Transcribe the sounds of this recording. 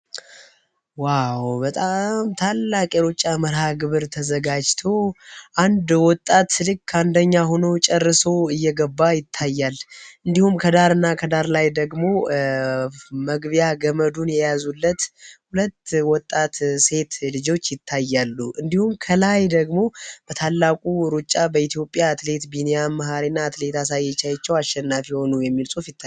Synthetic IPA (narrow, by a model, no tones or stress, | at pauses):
wawbət̪ʼamt̪ʰalːakʼeɾot͡ʃʼːaməɾhaɡɨβɨɾt̪ʰəzəɡad͡ʒt̪ʰo̞ʔand̪wɔt̪ʼːat̪lɨkʰːand̪əɲːaɦo̞not͡ʃʼɛrːɨsoɨjːɛɡəbːajɪt̪ʰːajːalʔɨnd̪ihumkʰəd̪aɾɨnːakʰəd̪aɾlajd̪əɡmo̞ | məɡβijaɡəməd̪unjɛjazulːət̪hulət̪ːwɔt̪ʼːat̪se̞t̪lɨd͡ʒo̞t͡ʃːjɪt̪ʰːajːalːuʔɨnd̪ihumkʰəlajd̪əɡmo̞b̥ət̪ʰalːakʼuɾut͡ʃʼːabəit̪ʰijo̞pʼːjaːt̪le̞t̪binejamːəɦaɾinːaːt̪le̞t̪ʰasajːɛt͡ʃːajɛt͡ʃːɛwaʃːɛnːafjiho̞nujɛmːilsʼufjɪt̪ʰːa